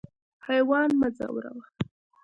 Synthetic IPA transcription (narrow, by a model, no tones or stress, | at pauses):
hajwɑnmad͡za̰wɾa̰wa